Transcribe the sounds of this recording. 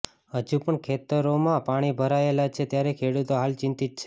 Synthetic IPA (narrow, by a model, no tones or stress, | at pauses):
ɦəd͡ʒupəɳkʰet̪əɾomãpaɽ̃ibʱəɾaelat͡ʃʰet̪jaɾekʰeɽut̪oɦalt͡ʃɪnt̪it̪̚t͡ʃʰe